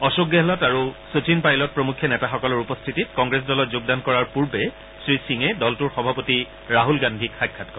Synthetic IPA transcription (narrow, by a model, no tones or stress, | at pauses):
ɔsoɡɛɦlɔtaɹusot͡ʃinpajlɔt̚pɹomukʰːjɔnɛtaxɔkɔlʊɹupɔstʰititkɔŋɡɹes̬dɔlɔt̚zʊɡ̚dankɔɹaɹpuɹbɛ | sɹisiŋɛdɔltuɹxɔbʱapoti | ɹaɦulɡandʱikxajkʰːat̚kɔ